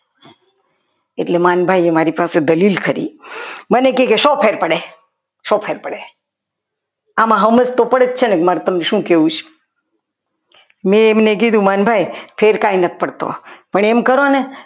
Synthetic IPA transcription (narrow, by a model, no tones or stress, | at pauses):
eʈlemanbʱajemaɾipased̪əlilkʰəɾḭmənekekeʃopʰeɾpəɽe | ʃopʰeɾpəɽe | amãɦəməst̪opəɽet̪t͡ʃʰenekmaɾut̪əmneʃũkeʋũt͡ʃʰ | mẽːmnekid̪ũmanbʱajpʰeɾkainət̪̚ʰpəɽt̪o̰pəɳemkəɾone